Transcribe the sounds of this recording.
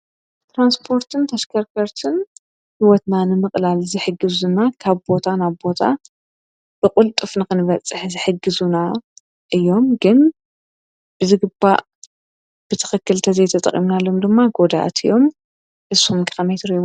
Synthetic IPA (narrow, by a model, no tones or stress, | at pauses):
t̪ɾanspʰo̞ɾt̪ʰɨnt̪ʰɐʃkʰɐɾkʰɐɾt̪ʰɨn | hiwɔt̪nanɨmɨχʼlalzɨħɨɡːɨzɨnakʰaβbo̞t̪ʰanaβbo̞t̪ʰa̰ | b̥ɨkʼʊlt̪ʼɨfnɨkɨnɨβɐt͡sʼːɨħzɨħɨɡːɨzuna | ʔɨjːo̞mɡɨn | b̥ɨzɨɡɨba̰ʔ | b̥ɨt̪ʰɨ̥xɨkːɨlt̪ʰɐzejt̪ʰɐt̪ʼɐ̰kʼimnalːo̞md̪ɨmːaɡo̞d̪a̰ʔa̰t̪ʰɨjo̞m | ʔɨsumkʰɨxɐmajt̪ʰɨɾi